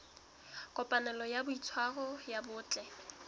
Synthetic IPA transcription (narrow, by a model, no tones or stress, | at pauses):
kʼɔpʼanɛlɔjabʊit͡sʰwaɣɔjabʊːt͡ɬʼɛ